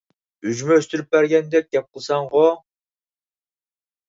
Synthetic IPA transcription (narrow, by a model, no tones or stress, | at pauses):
yd͡ʒmøst̪yɾyp̚bæɾɡʲɛnd̪ɛk̚ʲɡʲɛp̚qʰəlˠsɑɴʁo